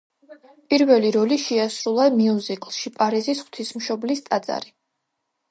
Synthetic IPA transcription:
pʼiɾvɛliɾɔliʃɛasɾulˠamiuzikʼlˠʃipʼaɾizisχw̥t̪ʰismʃɔblist̪ʼad̪za̰ɾi

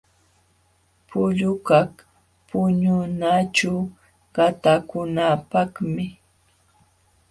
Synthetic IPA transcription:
pʊʎʊkak | pʊɲʊnaʈ͡ʂa | ɢat̪akʊnapakmɪ

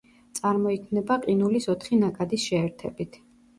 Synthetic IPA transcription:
t̪sʼaɾmɔikʰmnɛbaqʼinulisɔt̪ʰχinakʼad̪isʃɛːɾt̪ʰɛ̰bit̪ʰ

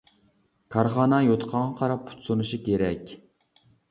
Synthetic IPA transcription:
kʰɑɾχɑːnɑjot̪ʰqʰɑɴʁɑqʰɑɾɑpʰːu̥t̪sonuʃikʲʰeɾɛkʲ

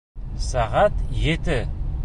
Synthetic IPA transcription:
sæʁat̪jɘ̆t̪ɘ

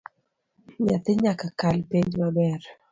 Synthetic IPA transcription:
ɲat̪ɪɲakakalpeɲd͡ʒmabɛɾ

